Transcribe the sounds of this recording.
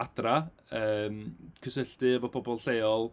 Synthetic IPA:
ad̥ra | əːmkʰəsəɬtɨəvɔpʰɔbɔlˠɬejɔlˠ

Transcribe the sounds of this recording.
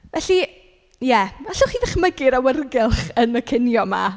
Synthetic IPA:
vɛɬi | jɛaɬɔχivɪχməɡɪɾawərɡɪlˠχənəkʰɪnjɔma̰

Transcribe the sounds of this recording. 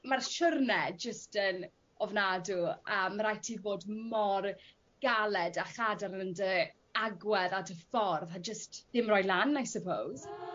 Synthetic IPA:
marʃʊrnɛd͡ʒəstən | ɔvnaduəːmːəɾajtʰivoːdmɔr | ɡ̥alɛdaχadarnəndə | aɡwɛðatʰəfɔrðad͡ʒəstðɪmrɔjlˠanajsəpʰowz̥

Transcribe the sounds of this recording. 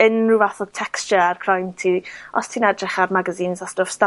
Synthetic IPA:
ənruvaθɔd̥̚tʰɛkst͡ʃərkʰrajntʰiɔ̰stʰiːnɛdrɛχarmaɡaziːnsastofsta

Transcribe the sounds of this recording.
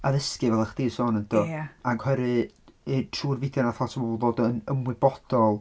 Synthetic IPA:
aðəskɨvɛlˠəχd̥iːsoːnədɔaɡwɛɾɨ | itʰruːrvɪdjɔnaθatʰəbɔbɔlˠvodənəmwɨbɔd̥ɔlˠ

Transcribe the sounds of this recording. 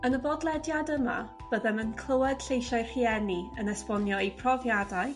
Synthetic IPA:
ənəbɔdlˠɛdjadəma̰ | b̥əðɛmənkʰlˠəwɛd̥ɬejʃaɨr̥iɛniənɛspɔnjɔipʰrɔvjadaj

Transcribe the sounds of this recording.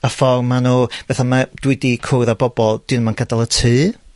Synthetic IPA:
afɔrmːanoːvɛθamad̥wɪdikʰojðabɔbɔlˠd̥ɨnmanɡ̥ədalˠətʰɨː

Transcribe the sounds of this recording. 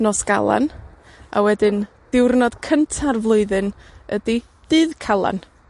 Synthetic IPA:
nɔsɡ̥a̰lˠa̰n | a̰wɛdɨn | d̥ɪwrnɔd̥kʰəntʰarvlˠʊɨðɨnədi | d̥ɨðkʰalˠa̰n

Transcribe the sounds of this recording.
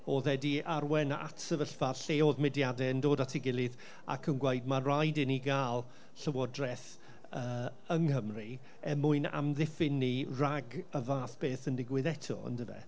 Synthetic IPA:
ɔðɛdiarwɛnaa̰tsəvəɬfarɬeːɔðmɪdjadɛəndoːdatʰɪɡɪlˠɪð | a̰kʰənɡweɨd̚marajdɪniɡaːlˠ | ɬəwɔdrɛθ | əː | əŋhəmri | ɛmʊɨna̰mðɪfɪniraɡəvaːθb̥eːθəndɪɡwɪðɛtʰɔ̰ə̰ndəvɛ̰

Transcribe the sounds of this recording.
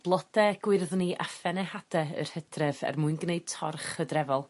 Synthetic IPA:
b̥lˠɔd̥ɛɡ̥wɪrðniʔa̰fɛnɛhad̥ɛə̰r̥hədrɛvɛ̰rmuɨnɡneɨd̥̚tʰɔrχədrɛvɔlˠ

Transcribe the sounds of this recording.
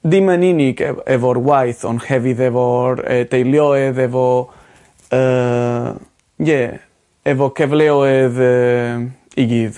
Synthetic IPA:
d̪imaninɪɡɛvɔɾwajθɔ̰nxɛvɪðɛvɔɾɛ̰t̪ejljɔɛðɛvɔ | ə | je | ɛvɔkɛvlɛɔɛðə | iɡið

